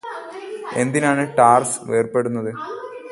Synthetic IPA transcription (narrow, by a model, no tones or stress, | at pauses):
e̞nd̪inaːɳɨʈaːrsʋeːrpe̞ɽunːɐðɨ